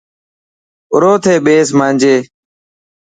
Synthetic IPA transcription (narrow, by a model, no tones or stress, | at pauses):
ʊ̰ɾoːt̪ʰeːɓeːs̬maːnʲd͡ʒeː